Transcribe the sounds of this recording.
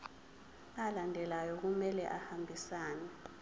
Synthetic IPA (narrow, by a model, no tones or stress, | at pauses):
alandʱɛlajɔk̬umɛlɛʔahambʱisaːnɛ